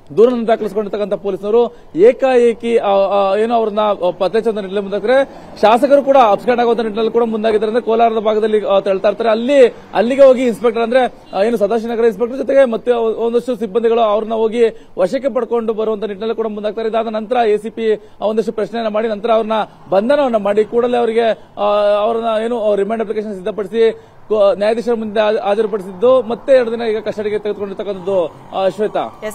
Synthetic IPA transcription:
d̪uːɾɐnɐnɐnt̪ɾakɐɭisko̞ɳɖiɾt̪ɐkːɐnt̪ʰɐpoːlisnɐɾu | eːkajeːkie̞ːnuɐʋɾɐnːɐpɐt̪leːt͡ʃɐʋɐnt̪ɐniʈ̬ːnɐlːimund̪aːɡ̚t̪aːɾe | ʃaːsɐkɐɾukuːɽɐɐpskaːɖaːɡoʋɐnt̪ɐniʈnɐlːikuːɽɐmund̪aːɡid̪ːɐɾɐnd̪ɾekɔːlaːɾɐd̪ɐbʱaːɡɐd̪ɐlːit̪eɭt̪ajiɾt̪aːɾeɐlːi | ɐ̰lːiɡeɦo̞ːɡiːnspek̚ʈɐɾɐnd̪ɐɾe̞ | e̞ːnus̬ɐd̪ʱaːʃ̬inɐɡɐɾɐins̬pekʈɐɾd͡ʒɔt̪eɡe̞mɐt̪ːuond̪ɐʂʈusibːɐnd̪ʱiɡɐɭuɐʋɐɾɐnːɐɦo̞ːɡiʋɐʃɐk̬ːep̬ɐɽko̞ɳɖubɐɾuʋɐnt̪ʰɐniʈːnɐlːikuːɽɐmund̪aːɡ̚t̪aːɾeid̪aːd̪ɐnɐnt̪ɐɾɐeːsipi | ond̪ɐʂʈupɾɐʃnejɐnːɐmaːɽinɐnt̪ɐɾɐːʋɾɐnːɐ | bɐnd̪ʱɐnɐʋɐnːɐmaːɽikuːɽɐleɐʋɐɾiɡe̞ | ɐʋɐɾɐnːɐe̞ːnuɾimeːɳɖɐplikeʃ̬ɐnsid̪ʱːɐpɐɽisi | njaːjɐd̪iʂɐɾɐmund̪eaːt͡ʃɐɾip̬ɐɽisid̪ːumɐt̪ːeɛɾɽɐd̪inɐiːɡɐkɐʂʈɐʈɐɡet̪eɡed̪ko̞ɳɖiɾt̪ʰɐkːɐnt̪ʰɐd̪u | ɐʃʋɐjt̪ɐ̰

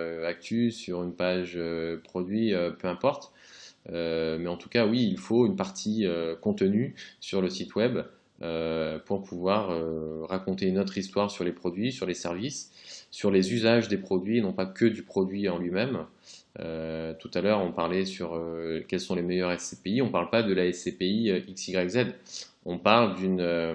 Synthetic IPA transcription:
øak̚t̪ʰysyʁynpaʒøpχɔd̪ɥiøpøɛ̃pɔʁt̪ | ømɛɑ̃t̪u̥kawiːlfoynpaʁt̪ʰiøkɔ̃t̪ənysyʁləsit̪wɛb | øpuʁpʰuvwaʁøʁakɔ̃t̪eynot̪χist̪waʁsyʁlepχɔd̪ɥisyʁlesɛʁvisːyʁlezyzaʒd̪epχɔd̪ɥienɔ̃pakʲʰəd̪ypχɔd̪ɥiɑ̃lɥimɛm | øt̪ut̪alœʁɔ̃paʁlɛsyʁøkʲɛlsɔ̃lemɛjœʁɛsepeiɔ̃paʁlpad̪əlaɛsepeiøʔiksiɡʁɛɡzɛd̪ | ɔ̃paʁld̪ynø

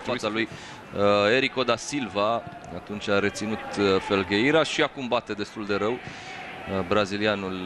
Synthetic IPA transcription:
aaluj | e̞ɾiko̞d̪asilva | at̪unt͡ʃaɾe̞t̪sinut̪fe̞lɡeiɾaʃiakumbat̪e̞d̪e̞st̪uld̪e̞ɾəw | bɾazilianul

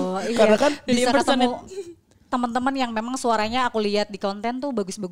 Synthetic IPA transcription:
ikanakanbisaəkət̪nmu | t̪əmənt̪əmənjaŋmemaŋsuaɾaɲaːkuliat̪̚dikɔnt̪ɛnt̪ʊhbaɡʊsbaɡ

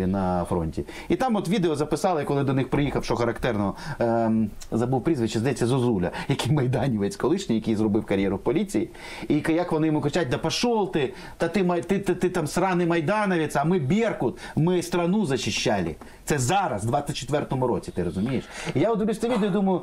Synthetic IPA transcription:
inɐfɾɔ̰nʲtʲḭ | it̪ɑmɔt̪ʋʲid̪eɔzɐpɪsɑlˠɪkɔlˠɪd̪ɔnɪxpɾɪjixɐwʃt͡ʃɔxɐɾɐkt̪ɛrnɔ | zɐbuwpɾʲizʋɪt͡ʃːɪzd̪ɐjɛt͡sʲːɐzɔzulʲɐ̰jɐkijmɐjd̪ɑnʲiʋɛt͡sʲkɔlˠɪʃnʲijɐkʲijzɾɔbɪwkɐɾʲjɛɾʊwpɔlʲit͡sʲijḭ | ikjɐkʋɔnɪjɔmukɾɪt͡ʃat̚ʲd̪ɐpɐʃɔlˠt̪ɪ | t̪ɐt̪ɪmɐt̪ɪt̪ɪt̪ɪt̪ɑmsɾɑnɪmɐjd̪ɑnɐʋʲisɛmɪbʲirkʊt̪mɪst̪ɾɐnuzɐʃɪʃːalʲɪ̰ | t̪sɛzɑɾɐsd̪ʋɑsʲɐt̚ʲt͡ʃːe̥t̪ʋɛrt̪ɔmʊɾɔt͡sʲit̪ɪɾɔzʊmʲijeʃijaɔd̪ɪʋlʲusʲt̪ɛʋʲid̪eɔd̪umɐjʊ

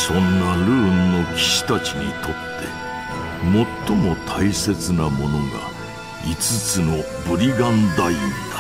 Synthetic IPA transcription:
sõ̞nːaɾɯ̟ːnːo̞kʲi̥ɕi̥t̪at͡ɕiɲ̟ḭt̪ʰo̞t̪ːe̞̰ | mo̞t̪ːo̞mo̞t̪ʰaise̞t͡sɨnamo̞no̞ɡa̰ | it͡sɨt͡sɨno̞ | bɯ̟ɾʲiɡãnd̪aind̪ḁ

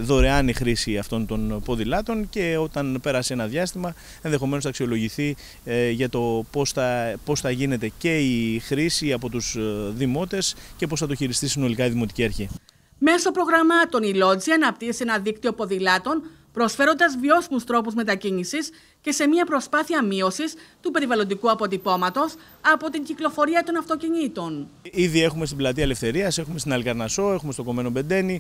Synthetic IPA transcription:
ðo̞ɾe̞ɐnixɾisiɐft̪o̞nt̪o̞npo̞ðilɐt̪o̞nce̞ot̪ɐnpe̞ɾɐsee̞nɐðʝɐst̪imɐ | e̞nðe̞xo̞me̞nosθɐksio̞lo̞ʝiθi | ʝɐt̪o̞posθɐpo̞sθɐʝine̞t̪e̞ce̞ixɾisiɐpo̞t̪uz̥ðimo̞t̪e̞sce̞po̞sθɐt̪oçiɾist̪isino̞likɐiðimo̞t̪i̥cieɾçi | me̞so̞pɾo̞ɣɾɐmɐt̪o̞nilo̞d͡ziɐnɐp̚t̪iesienɐðikt̪io̞po̞ðilɐt̪o̞n | pɾo̞sfe̞ɾo̞nd̪ɐzvio̞simust̪ɾo̞puzme̞t̪ɐcinisis | ce̞se̞miɐpɾo̞spɐθiɐmio̞sist̪upe̞ɾivɐlo̞nd̪ikuɐpo̞t̪ipo̞mɐt̪o̞s | ɐpo̞t̪iɲɟiklo̞fo̞ɾiɐt̪o̞nɐft̪o̞ciɲit̪o̞niðie̞xume̞st̪iblɐt̪iɐele̞fθe̞ɾiɐse̞xume̞st̪inɐlkɐɾnɐso̞e̞xumest̪o̞ko̞me̞no̞be̞nd̪e̞ni

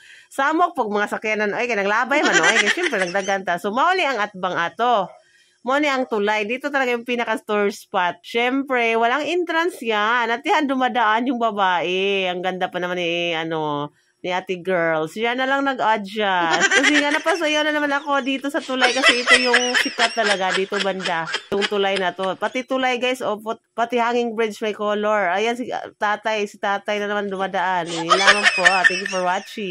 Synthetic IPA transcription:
saːmok̚pɐɡ̚mɐŋasɐkjananʔoʔjkajnɐɡlaːbajmanoʔjkɐjʃɛmpɾɛnɐɡ̚d̪aɡant̪asomɐʔoniʔɐŋʔɐt̪̚baŋʔaːt̪o̞ | mɐonɛʔɐŋt̪ʊlajd̪iːt̪ot̪ɐlɐɡajʊŋpiːnɐkɐst̪oɹspat̪̚ʃɛmpɾɛwɐlaŋʔɪnt̪ɾansjanɐt̪̚jand̪ʊmad̪ɐʔanjʊŋbɐbaːʔɛɐŋɡɐnd̪apɐnɐmaniʔɐno̞ | nɪʔaːt̪ɪɡɛɹlsjanɐlaŋnɐɡʔadd͡ʒaskɐs̬ɛŋanɐpɐs̬ɐjawnɐnɐmanɐko̞d̪iːt̪o̞sɐt̪ʊlajkɐsɛʔɪt̪ojʊŋsɪt̪at̪ːɐlɐɡad̪iːt̪obɐnd̪ajʊŋt̪ʊlajnɐt̪o̞pɐt̪ɪt̪ʊlajɡajsʔopopɐt̪ɪhaŋɪŋbɹɪt͡ʃmɐjkoːloɹʔajansɪ̰t̪aːt̪ɐjsɪt̪aːt̪ɐjnɐnɐmand̪ʊmad̪ɐʔanɪlaːmaŋpoʔat̪ɛŋkʊpɐɹwat͡ʃi

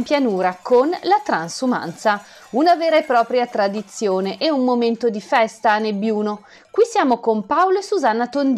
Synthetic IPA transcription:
mpjanuːɾakʰonlat̪ɾansuma̰nt̪sa | unaveːɾaepːɾɔːpɾjat̪ɾad̪it̪sːjoːneʔeummoment̪od̪ifɛst̪anebːjuːno | kwisjaːmokompawloesuzanːat̪ond̪

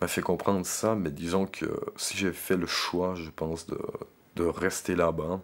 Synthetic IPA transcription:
mafɛkɔ̃pχɑ̃d̪ʁəsamɛd̪izɔ̃kʰə̰siʒefɛləʃwaʒəpɑ̃sd̪ə̰ | d̪̥əʁɛst̪elaba

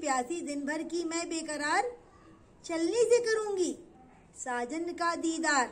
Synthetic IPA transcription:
pjaːsid̪ɪnbʱɐɾkimɛ̃ːbeːkɐɾaːɾ | t͡ʃɐlnisekɐɾũːŋɡi | saːd͡ʒənkad̪iːd̪aːɾ

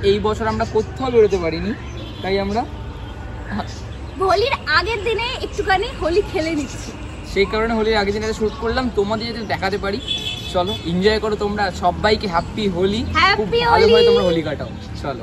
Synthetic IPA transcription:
ejbɔt͡ɕʰoɾamɾakot̪ʰːaobeɽot̪epaɾini | t̪ajamɾa | bʱoliɾaɡeɾd̪ineek̚ʈukaniɦolikʰelenitːt͡ɕʰi | ʃejkaɾoneɦoliɾaɡed̪ineat̪eʃut̚koɽlamt̪omad̪eɾod̪id̪ɛkʰat̪epaɾit͡ɕɔloind͡ʑɔekoɾot̪omɾaʃɔbːajkeɦɛpːiɦolihɛkʰubpiɦoalblʱaeomaɾɦolikaʈao | t͡ɕɔlo̰

